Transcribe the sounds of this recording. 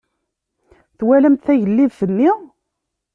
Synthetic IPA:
θwælæmt̪θæʝəlːivfənːi

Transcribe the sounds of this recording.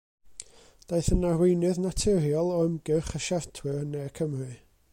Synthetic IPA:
d̥ejθənarwɪjnɨðnatʰɨrjɔlˠɔmɡ̥ɨχəʃartʰwɨrnɛkʰəmrɨ

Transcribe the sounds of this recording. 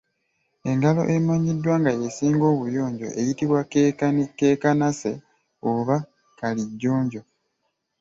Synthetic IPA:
e̞ŋɡalo̞̰ʔemoɲidːwaːŋɡajesiːŋɡo̞ːβujo̞ːɲɟo̞̰ʔejitiβwa | keːkanase̞̰ | oβa | kaliɟːoːɲɟo̞

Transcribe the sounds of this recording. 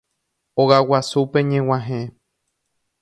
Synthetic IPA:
oɣawasupẽɲẽw̃ãɦẽ

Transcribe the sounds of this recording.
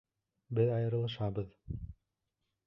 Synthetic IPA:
bɪðɑjɤ̆ɾɯ̆lˠɯʃɑbɤð

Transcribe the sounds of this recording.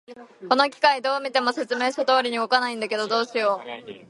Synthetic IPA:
ko̞no̞k̬ʲi̥kaid̪o̞ːmʲit̪e̞mo̞se̞t͡sɨme̞ːɕat̪oːɾʲiɲ̟iɡokanaĩnd̪ake̞d̪o̞d̪o̞ːɕijo̞ː

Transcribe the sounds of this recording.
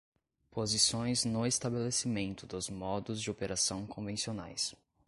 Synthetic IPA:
pozisõj̃znʊest̪abelesimẽnt̪ʊd̪ʊzmɔd̪ʊzd͡ʒɪopeɾasɐ̃w̃kʰõvẽsiona̰js

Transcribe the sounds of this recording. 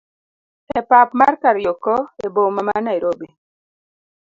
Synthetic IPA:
ɛpapmarkaɾjokɔebomamanaiɾobi

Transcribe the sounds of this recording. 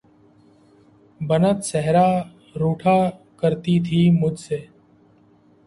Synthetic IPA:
bənət̪səɦɾaː | ɾuːʈʰaː | kəɾt̪iːt̪ʰiːmʊd͡ʒʱseː

